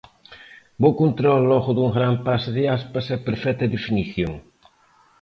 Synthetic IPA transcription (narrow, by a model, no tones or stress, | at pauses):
bokont̪ɾɔlːɔɣʊðuŋɡɾampasðɪaspɐsɐpeɾfɛt̪ɐðefiniθjoŋ